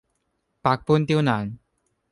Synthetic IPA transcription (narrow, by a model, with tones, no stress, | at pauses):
pa˨˩k̚pu˥˨nt̪i˥˧wna˨˩˦ŋ